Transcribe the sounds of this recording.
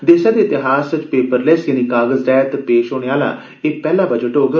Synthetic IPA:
d̪eːsãːd̪eːt̪ɪɦaːsʋɪt͡ʃpeːpəɾlesjaːniːkaːɡəzɾɛːt̪peːʃɦoːɽ̃eːaːla̰ː | eːpɛːlaːbəd͡ʒəʈoːɡə

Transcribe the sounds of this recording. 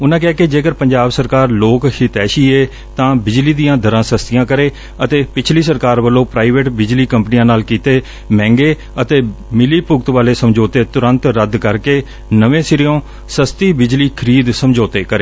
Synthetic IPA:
ʊnãːkɛːkɪd͡ʒeːkəɾpəɲd͡ʒaːbsəɾkaːɾloːkhit̪ɛːʃiːeː | t̪ãːbɪd͡ʒliːd̪ijãːd̪ʱəɾãːsəst̪ɪjãːkəɾeː | ət̪eːpɪt͡ʃʰliːs̬əɾkaːɾʋəlːõːpɾaːiʋeːʈbɪd͡ʒliːkəmpnijãːnaːlkiːt̪eː | mɛ̃ːŋɡeː | ət̪eːmɪliːpʊɡt̪ʋaːleːsəmd͡ʒoːt̪eːt̪ʊɾə̃nt̪ɾəd̪kəɾkeː | nəʋẽːsɪɾɪjõː | səst̪iːbɪd͡ʒliːkʰəɾiːd̪səmd͡ʒoːt̪eːkəɾeː

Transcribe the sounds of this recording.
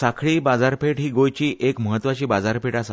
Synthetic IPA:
sakʰɭiːbad͡zaɾpeʈɦiːɡojt͡ɕiːʔekməɦət̪ːʋat͡ɕiːbad͡zaɾpʰeʈas

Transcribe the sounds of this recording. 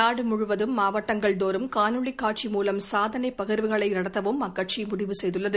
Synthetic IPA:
aːɽɯmʊɻʊʋɐðɯmːaːʋɐʈːɐŋɡɐɭd̪oːɾɯmkaːnɯɭikːaːʈt͡ʃimuːlɐmsaːðɐnɐɪpːɐɣɪɾʋɯɣɐɭɐɪnɐɽɐt̪ːɐʋɯmɐkːɐʈ̚t͡ʃimʊɽɪʋɯsɛjðɯɭːɐðɯ

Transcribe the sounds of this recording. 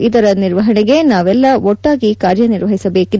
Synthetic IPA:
id̪ɐɾɐniɾʋɐɦɐɳɛɡe̞naːʋɛlːɐɔʈːaːɡikaːɾjɐniɾʋɐɦisɐbe̞ːki

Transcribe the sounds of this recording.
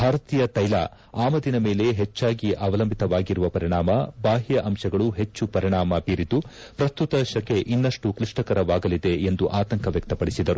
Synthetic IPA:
bʱaːɾɐt̪iːjɐt̪ɐjlɐ̰ | aːmɐd̪inɐme̞ːle̞ɦet͡ʃːaːɡiʔɐʋɐlɐmbʱit̪ɐʋaːɡiɾuʋɐpɐɾiɳaːmɐbaːɦijɐʔɐmʃɐɡɐɭuɦe̞t͡ʃːupɐɾiɳaːmɐbiːɾit̪u | pɾɐst̪ut̪ɐʃɐke̞ʔinːɐʂʈukɾiʂʈɐkɐɾɐʋaːɡɐlid̪e̞end̪uʔaːt̪ɐŋkʰɐʋjɐk̚t̪ɐpɐɽisid̪ɐɾu

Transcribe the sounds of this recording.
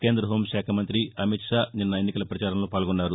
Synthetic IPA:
ke̞ːnd̪ɾɐɦo̞ːmʃaːkʰɐmɐnt̪ɾiɐmiʈʂaːninːɐenːikɐlɐpɾɐt͡ʃaːɾɐmlo̞ːpaːlɡunːaːɾu

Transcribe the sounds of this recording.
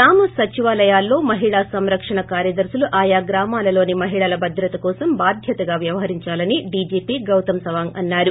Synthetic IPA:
aːmɐsɐt͡ʃiʋaːlɐjaːlːo̞ːmɐɦiɭaːsɐmɾɐkʂɐɳɐkaːɾjɐd̪ɐɾsuluʔaːjaːɡɾaːmaːlɐlo̞ːnimɐɦiɭɐlɐbʱɐd̪ɾɐt̪ɐkɔːsɐmbaːd̪ʱjɐt̪ɐɡaːʋjɐʋɐɦɐɾiɲt͡ʃaːlɐniɖid͡ʒiːpiːɡɐwt̪ɐmsɐʋaːŋɐnːaːɾu

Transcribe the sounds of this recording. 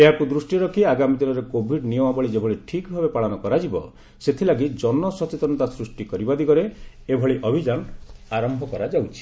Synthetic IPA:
eɦakud̪ɾusʈiɾɔkʰiaɡamid̪inɔɾekobʱiɖnijɔmabɔɭid͡ʒebʱɔɭiʈʰikbʱabepaɭɔnɔkɔɾad͡ʒibɔ̰ | set̪ʰilaɡid͡ʒɔnːɔsɔt͡ʃet̪ɔnɔt̪asɾusʈikɔɾibad̪ikɔɾe | ebʱɔɭiʔɔbʱid͡ʒanaɾɔmbʱɔkɔɾad͡ʒawt͡ʃʰi̥

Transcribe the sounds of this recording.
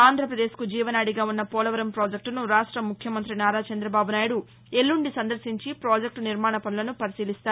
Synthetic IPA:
aːnd̪ʱɾɐpɾɐd̪e̞ːskud͡ʒiːʋɐnaːɽiɡaːunːɐpɔːlɐʋɐɾɐmpɾoːd͡ʒek̚ʈnuɾaːʂʈɾɐmukʰjɐmɐnt̪ɾinaːɾaːt͡ʃɐnd̪ɾɐbaːbunaːjɐɽu | elːuɳɖisɐnd̪ɐɾsiɲt͡ʃipɾoːd͡ʒek̚ʈniɾmaːɳɐpɐnulɐnupɐɾisiːlist̪aːɾ

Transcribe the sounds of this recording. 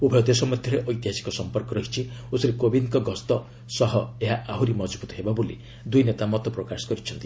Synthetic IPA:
ubʱɔjɔd̪esɔmɔd̪ʱjɔɾeʔɔjt̪iɦasi̥kɔsɔmpɔɾkɔɾɔɦit͡ʃʰiosɾikobinkɔɡɔst̪ɔ | sɔɦɔeɦaʔaɦuɾimɔd͡ʒbʱut̪ɔɦebabolḭ | d̪ujnet̪amɔt̪ɔpɾɔkasɔ̥kɔɾit͡ʃʰɔnt̪i

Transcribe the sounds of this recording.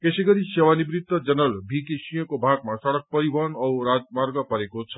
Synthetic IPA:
keseɡʌɾisewanibɾid̪ːʌd͡zʌnʌlbʱikisijʌ̃kobʱaɡmasʌɽʌk̚pʌɾibʱʌnʌwɾad͡zmaɾɡʌpʌɾekot͡sʰʌ̥

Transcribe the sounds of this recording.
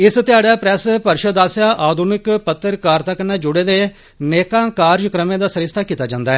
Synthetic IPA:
ɪst̪ɪaːɽaːpɾɛːspəɾʃəd̪aːsjaːʔaːd̪ʱunɪkpət̪ːəɾkaːɾt̪akənaːd͡ʒʊɽeːd̪eː | neːkãːkaːɾd͡ʒkɾəmẽːd̪aːsəɾɪst̪ʰaːkiːt̪aːd͡ʒãːnd̪aːɦɛː

